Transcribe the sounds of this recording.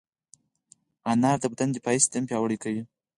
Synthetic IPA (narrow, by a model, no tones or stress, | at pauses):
anɑɾd̪əb̚d̪and̪əpɑist̪ampjɑwəɽikawi